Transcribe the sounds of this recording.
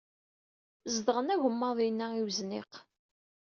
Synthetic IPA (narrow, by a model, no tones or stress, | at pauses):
zd̪əʁənæʝəmːɑðˤinːæiwznɪ̰q